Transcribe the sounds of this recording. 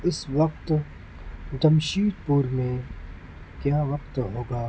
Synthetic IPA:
ɪsʋɐq̚t̪ | d̪ɐmʃiːd̪̚puɾmẽ | kjaːʋɐqt̪ɦoːɡaː

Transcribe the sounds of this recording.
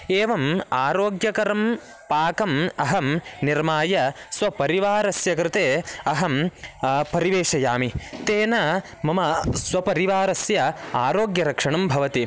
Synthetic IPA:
eːʋɐmaːɾoːɡjɐkɐɾɐm | paːkɐmɐɦɐmniɾmaːjɐsʋɐpɐɾiʋaːɾɐsjɐkɾɪt̪eːɐɦɐm | pɐɾiʋeːʂɐjaːmit̪eːnɐ | mɐmɐsʋɐpɐɾiʋaːɾɐsjɐaːɾoːɡjɐɾɐkʂɐɳɐmbʱɐʋɐt̪i

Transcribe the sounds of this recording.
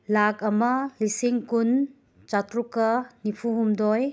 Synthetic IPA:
lakɐmɐlisiŋkun | t͡ʃatɾukɐnipʰuɦumdɔj

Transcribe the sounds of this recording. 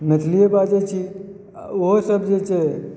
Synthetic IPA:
met̪ʰlijebad͡ʒet͡ʃʰi | oɦosəbʱd͡ʒet͡ʃe

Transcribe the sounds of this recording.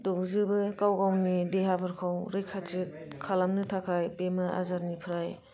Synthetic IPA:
dok̚zɯbɯkawɡawnideɦabɯɾkʰawɾɯjkʰati | kʰːalamnɯtʰakʰajpemaɾʔa̰zaɾnipʰɾaj

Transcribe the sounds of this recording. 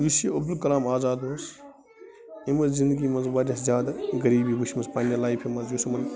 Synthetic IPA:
ʋiseɐbd̪ulkɐlaːmaːzaːd̪oːs | imɐzzĩnd̪əɡiːmɐnzbaːdʲɐszʲjaːd̪ɡɐɾiːbiːbuʃmɐspaːnɐlaːifʰimɐzjosɐmɐn

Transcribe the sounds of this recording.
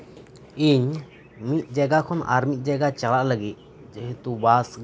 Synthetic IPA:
iɲ | mit̪̚ˀd͡ʒaɡakʰɔna̰ɾmit̪̚ˀd͡ʒaɡat͡ʃalaʔləɡit̪̚ | d͡ʒɛɦɛt̪ubasɡ

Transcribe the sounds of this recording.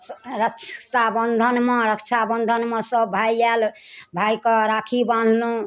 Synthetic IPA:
ɾəkt͡ʃʰt̪abənd̪ʱənmeɾəkt͡ʃʰabənd̪ʱənmesəbbʱajal | bʱajkəɾakʰibãnʱlũ

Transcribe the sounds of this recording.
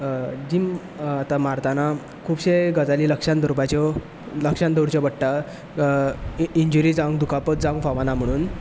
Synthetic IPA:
d͡ʑim | at̪amaɾt̪ana | kʰuːbɕeɡəd͡zaliːləkʂand̪əɾpat͡ɕɔ | ləkʂãnd̪oɽt͡ɕɔbəɽʈa | iɲd͡ʑuɾid͡zãŋɡd̪ukapət̪̚d͡zãŋɡfaʋanam̤əɽ̃uːn

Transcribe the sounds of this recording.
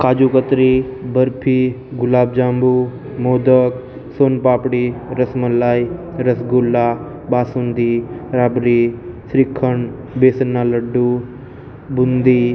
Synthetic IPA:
kaːd͡ʒuːkət̪ɾibəɾpʰi | ɡʊlaːbd͡ʒaːmbu | moːd̪ək | soːnpaːpɽiɾəsməlaːi | ɾəsɡulːaː | baːsund̪iɾaːbɾisɾikʰːəɳ | beːsənːaːləɖːu | bʊnd̪i

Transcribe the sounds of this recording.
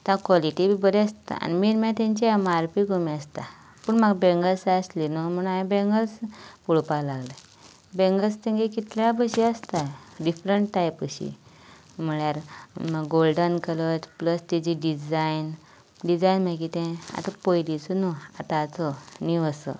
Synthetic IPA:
t̪ãkʋɔliʈibʱibəɾɛast̪a̰a̰nimiːɾmãt̪ãɲt͡ɕeemaɾpiɡomiast̪a | puːɳməɡbẽŋɡəlsaəslinum̤əɽ̃ũaẽbẽŋɡəlspuɭpalaɡlə | bẽŋɡəlst̪ẽŋɡekit̪labəɕiəst̪aɖifɾəɳʈʈajpəɕḭ | m̤əɭjaɾməɡɡolɖənkələt̪pləst̪id͡ʑiɖid͡zajn | ɖid͡zajnmãkit̪ẽa̰t̪ãpojlit͡sɔnuat̪ãːt͡sɔniʋəsɔ̰

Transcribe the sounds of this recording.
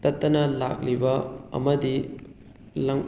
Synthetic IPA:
t̪ɐt̪ːɐnɐla̰k̚libɐɐ̰mɐdi | lɐŋ

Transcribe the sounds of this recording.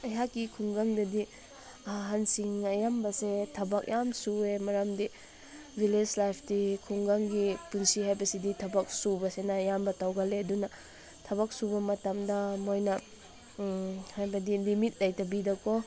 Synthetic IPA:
ɐjɦakːikʰuŋɡaŋdɐdi | aɦansiŋɐjambɐsetʰɐbɐk̚jamsuemɐɾamdi | bʱiled͡ʒlajpʰdikʰuŋɡaŋɡipunsihajbɐsiditʰɐbɐk̚subɐsenɐjambɐtawɡɐledunɐ | tʰɐbɐk̚subɐmɐtamdɐmojnɐ | hajbɐdilimit̚lɐjtɐbidɐkɔ

